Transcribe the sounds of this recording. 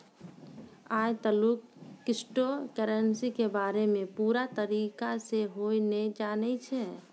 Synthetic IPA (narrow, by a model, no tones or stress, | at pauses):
ajt̪əlukːɪsʈokəɾənsikebaɾemẽpuɾat̪əɾikaseɦojned͡ʒanɛt͡ʃʰɛ